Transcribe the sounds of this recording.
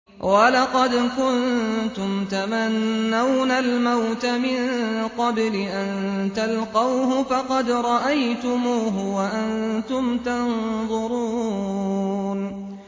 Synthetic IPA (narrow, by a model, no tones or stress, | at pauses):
walɑqɑd̪kʊnt̪ʊmt̪amanːawnalmawt̪amɪŋqɑblɪʔant̪alqɑwɦʊfɑqɑd̪ɾˤɑʔajt̪ʊmuːɦʊwaʔant̪ʊmt̪anðˤʊɾuː | n